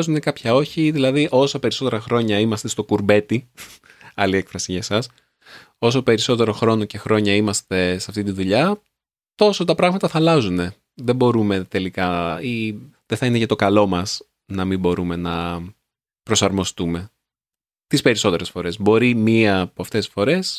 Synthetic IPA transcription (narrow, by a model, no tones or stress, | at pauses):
zune̞kɐpçɐo̞çiðilɐðiʔo̞sɐpe̞ɾiso̞t̪e̞ɾɐxɾo̞ɲɐimɐst̪e̞st̪o̞kuɾbe̞t̪i | ɐliekfɾɐsiʝɐsɐs | o̞so̞pe̞ɾiso̞t̪e̞ɾo̞xɾo̞no̞ce̞xɾo̞ɲɐimɐst̪e̞seɐft̪it̪iðuʎɐ | t̪o̞so̞t̪ɐpɾɐɣmɐt̪ɐθɐlɐzune̞ | ðe̞bo̞ɾume̞t̪e̞likɐiðe̞θɐineʝɐt̪o̞kɐlo̞mɐs | nɐmimbo̞ɾume̞nɐ | pɾosɐɾmo̞st̪ume̞ | t̪ispe̞ɾiso̞t̪e̞ɾe̞sfo̞ɾe̞zbo̞ɾimiɐːpoɐft̪e̞sfo̞ɾe̞s